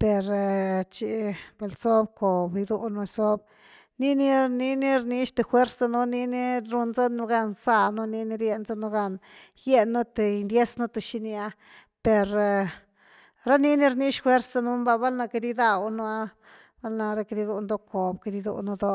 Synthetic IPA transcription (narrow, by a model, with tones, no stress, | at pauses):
pe˨ɾt͡ʃi˧be˧˨lso˦b̚ko˨bi˧d̪u˧nu˧so˦b̚ | ni˦ni˦ni˧ni˦ɾni˧˦ʃt̪e˧xwe˦ɾsa˧nu˦ni˧ni˦ɾu˧nza˦nu˧ɡa˧nsa˧nu˦ni˧ni˧ɾje˧nza˦nu˧ɡa˧n | je˧nːu˦t̪e˨˧nd̪je˦snu˦t̪e˨ʃi˧nja˧ | pe˨ɾ | ɾa˦ni˦ni˦ɾni˦ʃxwe˦ɾsa˧nu˧˦mba˧ba˦lna˧ke˧d̪i˦d̪a˧wnu˦a˦ | b̥a˦lna˧ɾa˧ke˧d̪i˧d̪u˧nd̪o˦kʰo˨bke˧d̪i˧d̪ṵ˧nu˧d̪o˦